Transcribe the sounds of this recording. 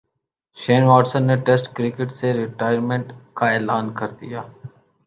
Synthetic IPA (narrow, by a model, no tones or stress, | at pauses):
ʃeːnʋaːʈsə̃nːeʈesʈkɾɪkɪʈseɾɪʈaːjəɾmẽɳʈkaɛːlaːnkɐɾd̪ijaː